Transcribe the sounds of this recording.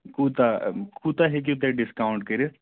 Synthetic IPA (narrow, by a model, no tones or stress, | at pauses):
kuːt̪akut̪aɦek̬ot̪eɖɪskaːʊ̃ɳʈkəɾe